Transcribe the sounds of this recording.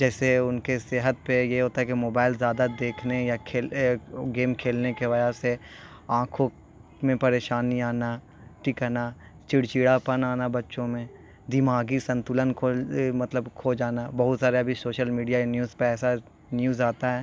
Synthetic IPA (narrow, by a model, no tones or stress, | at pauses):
d͡ʒɛːseʊnkeseɦət̪̚pejeɦoːt̪aɦɛkemoːbaːɪlzjaːd̪ad̪eːkʰnejakʰeːlɡeːmkʰeːlnekeʋɐd͡ʒase | ãːkʰõ | mẽpɐɾeːʃaːniaːna | ʈikanat͡ʃɪɽt͡ʃiːɽapənaːnabɐtːʃõmẽ | d̪ɪmaːɡisɐ̃nt̪ʊlənkʰomɐt̪ləbkʰod͡ʒaːnabɐɦʊt̪saːɾeɐbʱisoːʃəlmiːɖijanjuːzpeɛːsa | njuːzaːt̪aɦɛː